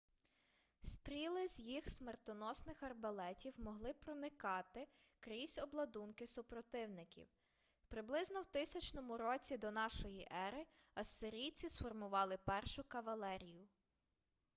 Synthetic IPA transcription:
st̪ɾʲilˠɪzʲjixsmert̪ɔnɔsnɪxɐrbɐlˠɛtʲiwmɔɦlˠɪpɾɔnɪkɑt̪ɪ | kɾisʲɔblˠɐd̪unkɪsʊpɾɔt̪ɪwnɪkʲḭw | pɾɪblˠɪznɔwt̪ɪsʲɐt͡ʃnɔmʊɾɔt͡sʲid̪ɔnɑʃɔjiʔɛɾɪ | ɐsːɪɾʲijt͡sʲisfɔrmʊʋɑlˠɪpɛrʃʊkɐʋɐlˠɛɾʲijʊ

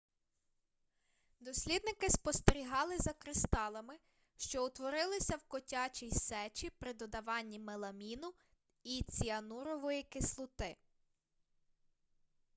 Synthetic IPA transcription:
d̪ɔsʲlʲid̪̚nɪkɪspɔst̪eɾʲiɦɑlˠɪzɐkɾɪst̪ɑlˠɐmɪ | ʃt͡ʃɔʊt̪ʋɔɾɪlˠɪsʲɐwkɔtʲɑt͡ʃʲijsɛt͡ʃʲipɾɪd̪ɔd̪ɐʋɑnʲːimelˠɐmʲinʊ | it͡sʲiɐnuɾɔʋɔjikɪslˠʊt̪ɪ

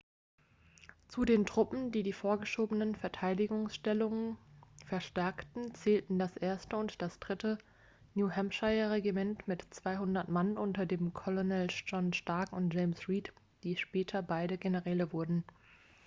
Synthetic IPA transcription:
t͡sudeːntʁ̥ʊpm̩diːdiːfoːɐɡəʃoːbənənfɛɐtʰaɪdɪɡʊŋsʃtɛlʊŋənfɛɐʃtɛɐktn̩t͡sɛːltn̩dasʔeːɐstəʊntd̥asd̥ʁɪtə | njuːhɛmʃaɪɐʁeɡimɛntmɪtt͡sv̥aɪɦʊndɐtmanʔʊntɐdeːmkʰɔlonɛld͡ʒɔnʃtaɐkʊntʒ̥eɪmsʁiːt | d̥iːʃpɛːtʰɐbaɪɾəɡenəʁɛːləvʊɐdn̩

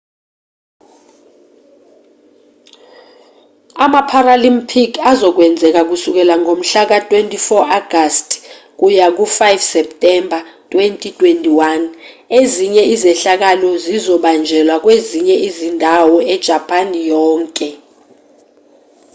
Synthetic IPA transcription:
amapʰaralimpʰikʰazɔk̬wɛnd͡zʱɛk̬ak̬usuk̬ɛlaŋʱom̩ɬak̬atʼwentʼifɔʔaɡ̥ʱastʼ | k̬ujak̬ufajfsɛptʼɛmbʱatʼwentʼitʼwentʼiwan | eziɲɛizɛɬak̬alɔzizɔɓand͡ʒʱɛlwak̬weziɲɛizindʱawɔɛd̥ʒ̥ʱapʰʼanjɔːŋkʼɛ

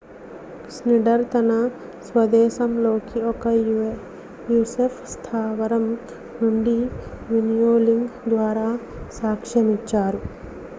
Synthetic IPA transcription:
sniɖɐɾt̪ɐnɐ | sʋɐd̪ɛːʃɐmloːkiɔkɐ | juːsepʰst̪ʰaːʋɐɾɐm | nuɳɖiʋinijoːliŋɡd̪ʋaːɾaː | saːkʂɐmit͡ʃːaːɾu

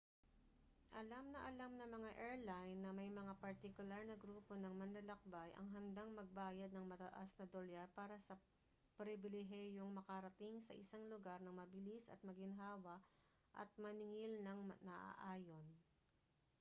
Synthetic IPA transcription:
ʔɐlamnɐʔɐlamnɐmɐŋaʔɛɹlajnːɐmɐjmɐŋapɐɾt̪ɪkʊlaɾnɐɡɾuːpo̞nɐŋmɐnlɐlɐk̚bajʔɐ̰ŋɦɐnd̪aŋmɐɡ̚baːjɐd̪nɐŋmɐt̪ɐʔasnɐd̪oljapaːɾɐsɐ | pɾɪbɪlɪɦɛjoŋmɐkɐɾɐt̪iŋsɐ̰ʔɪsaŋlʊɡaɾnɐŋmɐbɪlisɐ̰t̪̚mɐɡɪnɦaːwɐʔ | ʔɐ̰t̪̚mɐnɪŋɪlnɐŋnɐʔa̰ʔaːjo̞n

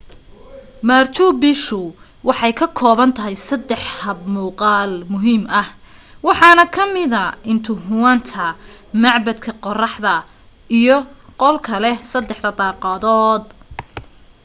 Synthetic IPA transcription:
maːrt͡ʃʰʊbɪʃʊ | wɑħɑjkʰɐkʰɔːβɐnt̪ʰɐɦɛjsɐd̪ɛħhɐb̚muːqɑːlmʊɦiːmɐh | wɑħɑːnɐkʰɐmɪðɐɪnt̪ʰʊɦʊwant̪ʰɐ | mɑʕbɐd̪kʰɐqɔrɑħðɐ | ijɔqɔlkʰɐlɛsɐd̪ːɛħd̪ɐd̪ɑːqɑːðɔːd̪

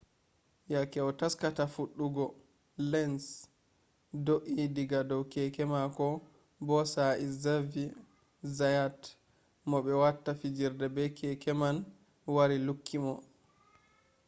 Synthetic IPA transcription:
jakɛɔtaskatafuɗːuɡɔ | lɛns | doʔidiɡadɔwkɛkɛmakɔ | bɔsaizavi | zajat | mɔɓɛwatːafid͡ʒiɾdɛbɛkʰɛkɛman | waɾilukʰːimɔ

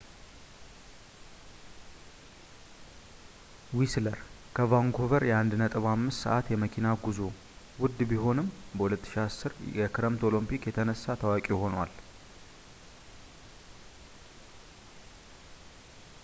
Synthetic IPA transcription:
wisləɾ | kʰəvaŋɡʰo̞vəɾjɛand̪nət̪ʼɨβamːɨst̪sə̰ʔat̪jɛməkʰinaɡuzo̞ | wʊd̪ːbiɦo̞nɨmːbəhulət̪ːɨ̥ʃiasːɨɾjɛkʰɨɾəmt̪o̞lompikjɛt̪ʰənəsːat̪ʰəwakʼiho̞nwa̰l

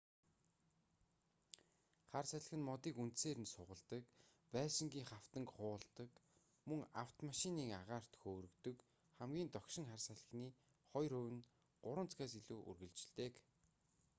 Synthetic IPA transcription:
χarsaɮə̆xɘ̆nmɔt̪iːkunt̪seːɾɘ̆nsʊʁə̆ɮt̪ə̆kpæːʃɪ̆ŋɡʲiːŋχaw̥t̪ə̆ŋkχʊːɮt̪ə̆k | mɵŋaw̥t̪maʃɪniːŋaʁaːr̥t̪xoːɾɵ̆kt̪ɵ̆k | χæmɡʲiːnt̪ɔkʃɪ̆ŋχarsaɮə̆xniː | χɔjɾɵwɘ̆n | ɢ̥ʊɾə̆nt͡sɡaːs̬iɮuːʔṵrɣɘ̆ɮt͡ɕɪɮt̪eːk

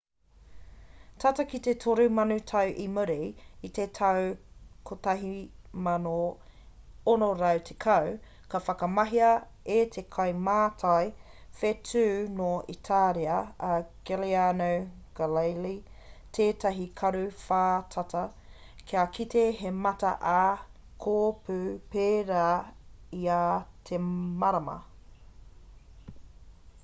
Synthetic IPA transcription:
tʰɐtɐkitetʰoɾumɐnʉtʰɐwʔiməɾiit̪etʰɐwkʰotɐɦimɐno | onoɾɐwtʰekʰɐw | kɐfɐkɐmɐɦiɐ | etʰekʰɐwmaːtʰɐjfetʰʉːnoitʰaːɾiɐːɡ̥elianow | ɡ̥alejli | tʰeːtɐɦikʰɐɾʉfaːtʰɐtɐ | kʰiakʰiteɦemɐtɐ̰ʔa | kʰoːpʰʉːpeːɾaːiatʰemɐɾɐmɐ̰

